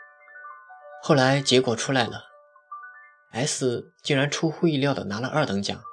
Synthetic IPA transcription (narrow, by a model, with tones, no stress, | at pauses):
xo˥˩ʊla˧˥ɪt͡ɕjɛ˧˥kwɔ˨˩ʈ͡ʂʰu˥la˧˥ɪlə̰˨˩ | a˧˥ɪsɹ̩˥˩t͡ɕi˥˩ŋɻa˧˥nʈ͡ʂʰu˥xu˥˧i˥˧ljɑ˥˩ʊd̪ə̰˩na˧˥lə˧ʔɐ˞˥˩t̪ɤ˧˥ŋt͡ɕjɑ̰˨˩˦ŋ